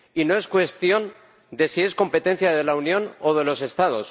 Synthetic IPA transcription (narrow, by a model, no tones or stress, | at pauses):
ino̞e̞skwe̞st̪jo̞n | d̪e̞sie̞sko̞mpe̞t̪e̞n̟θjaðe̞launjõ̞no̞ðe̞lo̞se̞st̪að̞o̞s